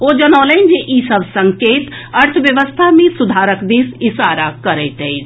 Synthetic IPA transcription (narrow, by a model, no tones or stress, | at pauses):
od͡ʒənɔːlənd͡ʒeʔisəbʱsəŋkeːt̪ | əɾt̪ʰəʋjəʋəst̪ʰamẽsud̪ʱaɾəkd̪iːsisaɾakəɾɛɪt̪ɛjt͡ʃ